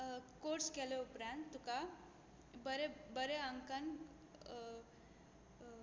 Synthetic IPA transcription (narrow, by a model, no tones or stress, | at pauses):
koɾskeleupɾand̪t̪uka | bəɾebəɾeəŋkən